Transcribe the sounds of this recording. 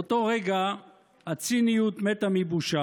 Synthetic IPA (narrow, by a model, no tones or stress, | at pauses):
ot̪o̞ʁeɡa | hat͡sinijut̪met̪amibuʃa